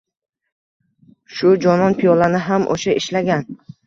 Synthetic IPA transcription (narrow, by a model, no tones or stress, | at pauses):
ʃʊd͡ʒɒnɒnpʰijɒlanɪɦamʔo̰ʃaʔɪʃlaɡʲan